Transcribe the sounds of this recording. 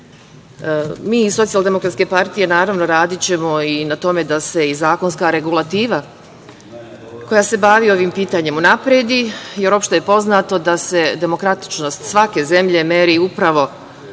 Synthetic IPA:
miːisosialˠd̪e̞mo̞kɾat̪ske̞paɾt̪ije̞naːɾaʋno̞ɾaːd̪it͡ɕe̞mo̞inat̪o̞me̞d̪ase̞izaːko̞nskaɾe̞ɡulˠat̪iːʋa | ko̞jase̞baʋio̞ʋiːmpiːt̪aːɲe̞munapɾed̪ije̞ɾo̞pʃt̪ojepo̞znaːt̪o̞d̪ase̞d̪e̞mo̞kɾat̪i̥t͡ʃno̞st̪sʋake̞ze̞mʎe̞meɾiupɾaʋo̞

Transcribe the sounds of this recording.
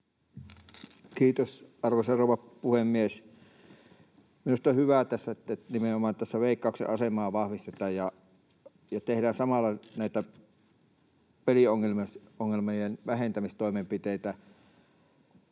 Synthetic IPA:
kiːt̪osɑrʋoseroˑuʋɑpuhemːies | minust̪ohhyʋæt̪æsːæt̪ːnimeʔomɑːˑnt̪æsːæʋeˑikːˑɑˑuksḛʔɑsemɑːʋɑhʋist̪et̪ˑɑːjjɑ | jɑt̪ehdæːnsɑmɑlːɑnæˑit̪æ | pelioŋːelmesoŋːelmejenʋæhent̪æmist̪oˑimempit̪eˑit̪æ

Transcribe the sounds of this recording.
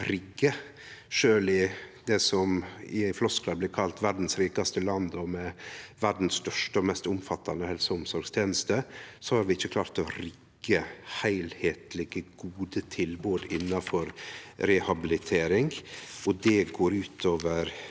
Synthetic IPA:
ɾɪɡːə | ʂøːlɪd̪ɛsɔmɪɪflɔsklɑb̪lɪːɾkʰɑlt̪ʋæɾɖn̩sɾiːkɑst̪əlɑnd̪ɔmɛʋæɖn̩sst̪œʂʈəɔmɛst̪ʊmfɑt̪ʰːɑnəhɛlsʊmsɔɾɡst̪ʰjeːnəst̪əsɔhɑɾʋɪɪçːəkʰlɑːɾt̪ɔɾɪɡ̥ːəhæɪlheːt̪lɪɡəɡuːd̪ət̪ʰɪlboːd̪ɪnːɑfɔɾɾɛhɑbɪlɪt̪ʰeːɾɪŋɔd̪ɛɡoːɾʉːt̪ʰoːʋəɾ

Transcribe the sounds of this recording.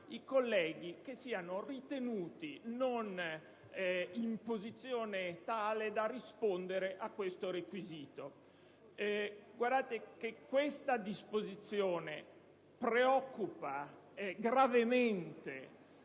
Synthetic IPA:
ikolːɛːɡik̟esːiːanorit̪enuːt̪inon | impozit̪sːjoːnet̪aːled̪arispond̪eɾeʔakːwest̪oɾekwiziːt̪o | ɡward̪aːt̪ekekːwest̪ad̪ispozit̪sjoːne | pɾeɔkːupaɡɾavement̪e

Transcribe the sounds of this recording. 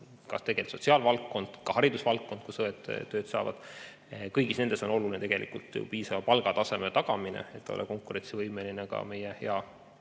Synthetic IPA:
kɑ̰st̪e̞ɡ̥e̞lt̪so̞t̪ʲsiɑlvɑlkːo̞nd̪̥kɑhɑɾid̪usvɑlkːo̞nd̪̥kusɤet̪ːøːt̪sɑ̰ːvɑ̰d̪̥ | kɤjɡ̥isne̞nd̪e̞so̞no̞lulinet̪e̞ɡ̥e̞lʔḭkult̪ˑjṵpiːsɑvɑpɑlɡ̥ɑt̪ɑse̞met̪ɑɡ̥ɑminḛet̪ːɑo̰lɛ̰ko̞ŋkuɾe̞nt̪sivɤjme̞linekɑ̰me̞jehe̞̰ɑ

